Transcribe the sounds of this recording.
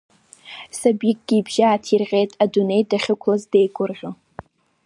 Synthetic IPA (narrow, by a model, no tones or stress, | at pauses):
sabikʼɡ̥ʲiːbʒaːtʰirʁʲe̞jtʼadune̞jdaχʲɪkʷʰlazdejkʷʼʊrʁʲo